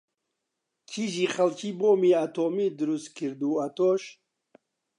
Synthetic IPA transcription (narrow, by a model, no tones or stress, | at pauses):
kʰiʒiχalt͡ʃʰibɔmiat̪ʰɔmid̪ɾust̪kʰiɾd̪uat̪ʰɔʃ